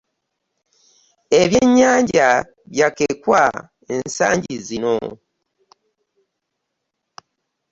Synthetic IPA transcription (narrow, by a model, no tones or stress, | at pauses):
eβjeɲːaːɲɟa | βjakekwa | ensa̰ːɲɟizino̞̰